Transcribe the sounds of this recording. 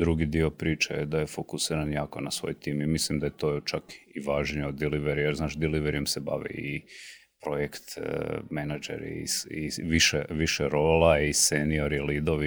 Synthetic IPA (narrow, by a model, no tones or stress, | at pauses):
d̪ɾuɡid̪io̞pɾiːt͡ʃejed̪ajefokusiːɾanjaːko̞nasʋo̞̰jt̪iːmimislimd̪ajet̪o̞ːt͡ʃakiʋaːʒɲeod̪d̪iliʋeɾijeɾznaːʃd̪iliʋeɾijemseba̰ʋḭi | pɾojekt̪menad͡ʒḛɾḭḭsiʋiʃḛʋiʃeɾoːlaisenio̞ɾilid̪oʋi